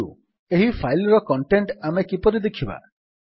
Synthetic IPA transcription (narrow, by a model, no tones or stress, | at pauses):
ṵ | eɦipʰajlɔɾɔkɔɳʈeɳʈamekipɔɾid̪ekʰiba̰